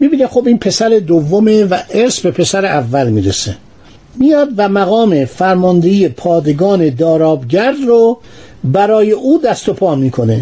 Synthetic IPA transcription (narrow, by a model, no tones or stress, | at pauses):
miːbiːnexobiːnpʰe̞sæɾe̞d̪ovːomevæʔeɾsbe̞pʰe̞sæɾeʔævːælmiːɾese | mijɒːd̪væmæɣɒːmefæɾmɒnd̪eijepʰɒːd̪e̞ɡɒːne̞d̪ɒːɾɒːbɟæɾːo | bæɾɒːje̞ʔuːd̪æst̪o̞pʰɒːmiːkʰo̞ne̞